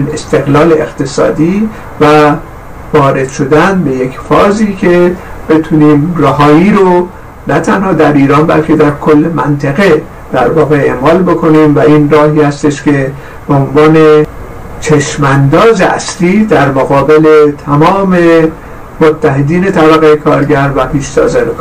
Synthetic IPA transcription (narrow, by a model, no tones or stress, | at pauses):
ne̞st̪e̞ɣlɒːleext̪esɒ̰ːd̪iː | væ | vɒːɾe̞d̪̥ʃo̞d̪ænbe̞je̞kfɒːziːcʰe̞b̥e̞t̪ʰuniːmræɦɒːiːɾo | næt̪ʰænhɒːd̪æɾiːɾɒːnbæ̰lcʰe̞d̪æɾkʰolːemænt̪ʰæɣe̞ | d̪̥æ̰ɾvɒːɣeḛmɒːlbo̞kʰo̞niːmvæinrɒːhiːhæst̪e̞ʃce̞ | b̥eonvɒːne | t͡ʃʰeʃmænd̪ɒːzeʔæ̰sliːd̪æɾmoɣɒːbe̞le̞t̪ʰæmɒːme̞ | mot̪ʰːæɦed̪iːne̞t̪ʰæbæɣejekʰɒːɾɟæɾvæpʰiːʃsɒ̰ːzænek